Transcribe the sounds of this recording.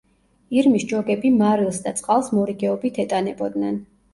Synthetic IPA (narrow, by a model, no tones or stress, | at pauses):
iɾmisd͡ʒɔɡɛbimaɾilˠsd̪at̪sʼqʼalˠsmɔɾiɡɛɔbit̪ʰɛt̪ʼanɛbɔd̪nɛn